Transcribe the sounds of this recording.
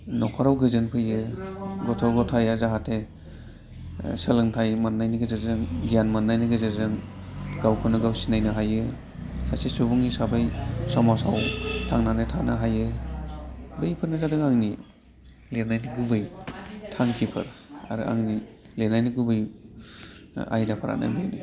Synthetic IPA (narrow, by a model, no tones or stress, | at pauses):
nɔkʰɔɾawɡɯzɯnpʰɯjɯɡɔtʰɔɡɔtʰajazaɦatʰe | sɯlɯŋtʰajmanːajniɡɯzeɾzɯŋɡijanmanːajniɡɯzeɾzɯŋ | ɡawkʰɯnɯɡawsinajnɯɦajɯ | sasesubuŋisabajsɔmasawtʰaŋnanetʰanaɦajɯ | bɯjpʰɯɾnɯzadɯŋaŋni | leɾnajniɡubɯjtʰaŋkʰipʰɯ̰ɾa̰ɾɯ̰ʔa̰ŋni | lenajniɡubɯj | a̰jdapʰaɾa̰na̰beni